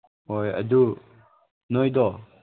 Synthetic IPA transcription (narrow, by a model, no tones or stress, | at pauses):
ojɐ̰d̪u | nɔjd̪ɔ